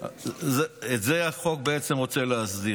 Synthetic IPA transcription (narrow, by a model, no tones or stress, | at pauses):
zeetzeaχo̞k̚beet͡semʁo̞t͡seleazdi